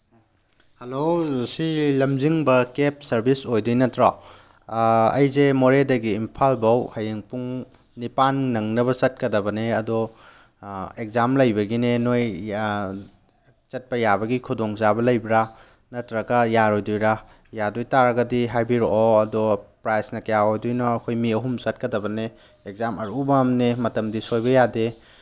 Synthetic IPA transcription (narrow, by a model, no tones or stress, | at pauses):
hɐlosilɐmziŋbɐkep̚sɐɾbisojdujnɐtɾa | ɐ̰jzemoɾedɐɡiːmpʰalbɐwhɐjeŋpuŋ | nipanːɐŋnɐbɐt͡ʃɐt̚kɐdɐbɐneɐdɔ | ek̚zamlɐjbɐɡinenoj | t͡ʃɐt̚pɐjabɐɡikʰudɔŋzabɐlɐjbɾa | nɐtɾɐɡɐjaɾojdujɾa | jadujtaɾɐɡɐdiɦajbiɾɔɔɐdɔpɾajsnɐkɐjaojdujnɔɐkʰojmiɐɦumsɐt̚kɐdɐbɐne | ek̚zamɐɾubɐmnemɐtɐmdisojbɐjade